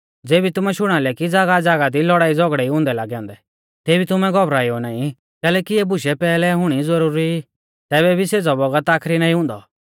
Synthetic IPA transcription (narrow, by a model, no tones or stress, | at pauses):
d͡zeːbit̪ʊmɛʃʊɽ̃alɛkid͡zaːɡad͡zaːɡad̪ilɔɽaːid͡zɔɡɽɛiɦʊ̃ːnd̪ɛla̰ːɡɛɔ̃ːnd̪ɛ | t̪eːbʱit̪ʊmɛɡɔbɾaːiɔnaːĩ | kɛːlɛːkiɛbʊʃɛpɛːlɛɦʊɽ̃id͡zɐɾuːɾi | t̪ɛːβɛbʱiseːd͡zɔbɔɡət̪aːkʰɾinãːĩɦʊ̃nd̪ɔ̰